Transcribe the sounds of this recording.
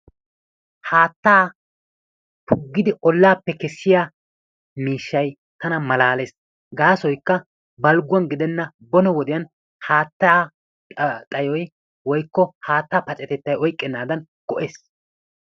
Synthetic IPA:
haːt̪ːaː | pʰʊɡːɪd̪ɪʔɔlːaːpːɛkɛsːɪjaː | miːʃːɐj | t̪ɐnɐmɐlaːleːs | ɡaːsɔjkːɐ | bɐlɡʊwɐnɡɪd̪ɛnːɐ | bɔnɔwɔd̪ɪjɐn | haːt̪ːɐa | t̪ʼɐjɔj | wɔjkːɔhaːt̪ːaːpɐt͡ʃʼɛt̪ɛt̪ːɐjɔjkʼːɛnːaːd̪ɐn | ɡ̥ɔʔeːs

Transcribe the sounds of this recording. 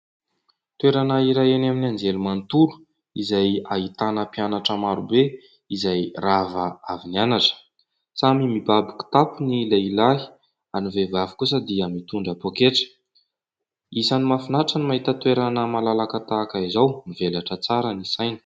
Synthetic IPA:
t̪weɾanaiɾajenaminiand͡ʒelumant̪uɾu̥ | izajaɦit̪anəpianaʈ͡ʂəmaɾube | izajravaavinianaʈ͡ʂə̥ | t͡samimibabiku̥t̪apunileilai̥ | anivevavikus̬əd̪iəmit̪uɳɖ͡ʐapokeʈ͡ʂə̥ | izanimafinaʈ͡ʂənimaɦit̪ət̪weɾanəmalalakat̪aːkaizawnivelaʈ͡ʂət͡saɾənisajnə̥

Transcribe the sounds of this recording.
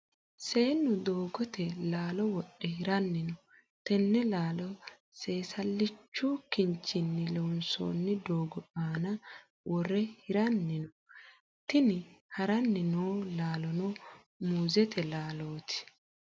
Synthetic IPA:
se̞ːnːʊd̪oːɡɔt̪ɛlaːlɔwɔɗːɛhɪɾɐnːɪnɔ | t̪ɛnːɛlaːlɔ | se̞ːsɐlːɪt͡ʃːuːkːɪɲt͡ʃːɪnːɪlɔʊnso̰ːnːɪd̪oːɡɔʔaːnɐ | wɔrɛhɪɾɐnːɪnɔ | t̪ɪnɪhɐɾɐnːɪnoːlaːlɔno | muːzɛt̪ɛlaːloːt̪ʰɪ̥

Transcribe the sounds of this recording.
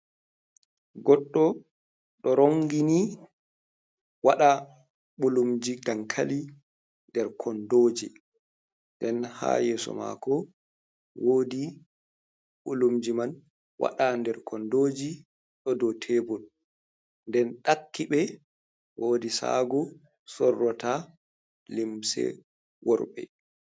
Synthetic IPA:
ɡɔɗːɔ | ɗɔɾoŋɡini | waɗa | ɓulumd͡ʒiɡaŋkʰali | ndɛɾkʰɔndoːd͡ʒi | ndɛnha̰ːjɛːsɔ̰ma̰kɔ | woːdi | ɓulumd͡ʒiman | wa̰ɗandɛɾkʰɔndoːd͡ʒi | ɗɔdɔtʰɛbɔl | ndɛnɗakːiɓɛ | wʔoːdisa̰ɡɔ | sɔrːɔta | limsɛ̰ | wɔɾɓɛ̰

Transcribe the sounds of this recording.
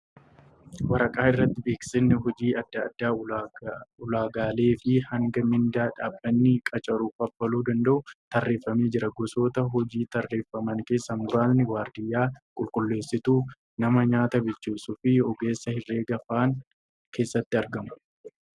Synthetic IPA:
wɐɾɐkʼaːɪrːɐt̪ːɪbe̞ːksɪnːɪɦɔd͡ʒiːɐd̪ːɐd̪̥ːaː | ʊlaːɡaːle̞ːfɪhɐŋɡɐmɪnd̪aːᶑaːbːɐnːɪkʼɐt͡ʃʼɐɾuːfɐpːɐluːd̪ɐnd̪ɐʔʊt̪ɐrːe̞ːfːɐmeːd͡ʒɪɾɐɡɔsoːt̪ɐɦɔd͡ʒiːt̪ɐrːe̞ːfːɐmɐŋke̞ːsːɐŋɡʊɾaːnːɪwaːɾd̪ɪjːaːkʼʊlkʼʊlːe̞ːsːɪt̪uː | nɐmɐɲaːt̪ɐbɪt͡ʃːuːsʊfɪɔɡe̞ːsːɐhɪrːe̞ːɡɐfaːŋ | kʰe̞ːsːɐt̪ːɪɐɾɡɐmʊ̥

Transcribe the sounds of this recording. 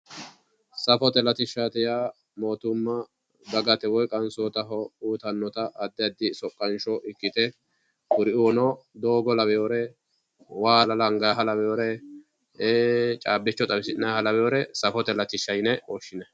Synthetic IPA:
sɐfɔt̪ɛlɐt̪ɪʃːat̪ɪjaː | moːt̪ʊmːɐ | d̪ɐɡɐt̪ɛwɔjkʼɐnsɔt̪ɐɦɔuːt̪ɐnːɔt̪ɐʔɐd̪ːɪɐd̪ːɪsɔkʼːɐnʃɔʔɪkːɪt̪ɛ | ʊɾɪunɔd̪oːɡɔlɐbɛjoːɾɛ | waːlɐlɐŋɡaɦɐlɐbɛjoːɾɛ | eːt͡ʃʼaːbːɪt͡ʃːɔt̪ʼɐbɪsɪnaːhɐlɐbɛjoːɾɛsɐfɔt̪ɛlɐt̪ɪʃːɐjnɛɔʃːɪnɛ

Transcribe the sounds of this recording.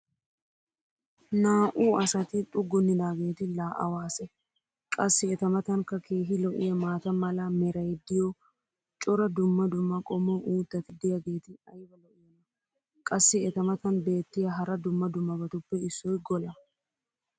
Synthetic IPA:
naːʔuːɐsɐt̪ɪt̪ʼʊɡːʊnːɪd̪aːɡe̞ːt̪ɪlaːʔɐ̰waːsɛ | kʼɐsːɪɛt̪ɐmɐt̪ɐŋkɐkʰe̞ːɦɪlɔʔɪ̰jɐmaːt̪ɐmɐlɐmɛɾɐjd̪ːɪjɔ | t͡ʃʼɔɾɐd̪ʊmːɐd̪ʊmːɐkʼɔmɔʔuːt̪ːɐt̪ɪd̪ɪjɐɡe̞ːt̪ɪɐjbɐlɔʔʊːmɐ | kʼɐsːɪɛt̪ɐmɐt̪ɐnbe̞ːt̪ːɪjɐɦɐɾɐd̪ʊmːɐd̪ʊmːɐbɐt̪ʊpːɛɪsːɔjɡɔlɐ

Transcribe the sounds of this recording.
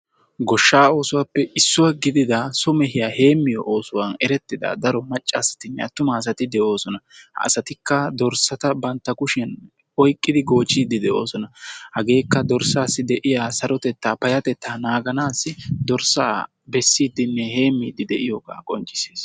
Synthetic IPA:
ɡɔʃːaːo̞ːsʊwaːpːɛʔɪsːʊwɐɡɪd̪ɪd̪ɐsʊmɛɦɪjaːhe̞ːmːɪjɔ̰ʔoːsʊwɐnɛɾɛt̪ːɪd̪ɐ̰d̪ɐɾɔmɐt͡ʃʼːaːsɐ̥t̪ɪnːɛ̰ɐ̰t̪ːʊmɐːs̬ɐt̪ɪd̪ɛʔo̞ːsɔnɐhɐ̰sɐt̪ɪkːɐd̪ɔɾsɐt̪ɐbɐnt̪ːɐkʊʃɛn | ɔjkʼːɪd̪ɪɡo̞ːt͡ʃʼːiːd̪ɪd̪ɛʔo̞̰ːsɔnɐhɐɡe̞ːkːɐd̪ɔɾsaːsːɪd̪ɛʔɪjaːsɐɾɔt̪ɛt̪ːaːpɐjɐt̪ɛt̪ːaːnaːɡɐnaːsːɪd̪ɔɾsa̰ː | bɛsːiːd̪ɪnːɛhe̞ːmːiːd̪ɪd̪ɛʔɪjɔɡa̰ːkʼɔnt͡ʃʼːɪ̥se̥ːs

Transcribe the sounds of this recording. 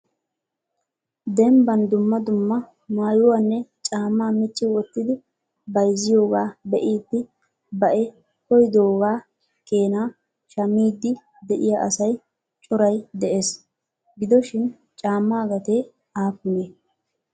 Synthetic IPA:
d̪ɛmbɐnd̪ʊmːɐd̪ʊmːɐ | maːjʊwanːɛt͡ʃʼaːmːaːmɪt͡ʃːɪwɔt̪ːɪd̪ɪ | bɐjzːɪjo̞ːɡaːbɛʔiːt̪ːɪ | bɐʔɛ | kɔjd̪oːɡaː | ke̞ːnaː | ʃɐmːiːd̪ːɪ | d̪ɛʔɪjaʔɐsɐj | t͡ʃʼɔɾɐjd̪ɛʔeːs | ɡɪd̪ɔʃɪn | t͡ʃʼaːmːaːɡɐt̪eː | aːfʊneː

